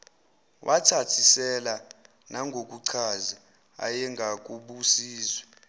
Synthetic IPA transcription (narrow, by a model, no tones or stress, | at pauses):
wʔatʰatʰisɛla | naŋɡʱok̬ʼuǀʰazi | a̰jɛŋɡʱak̬ʼuɓusiːzwɛ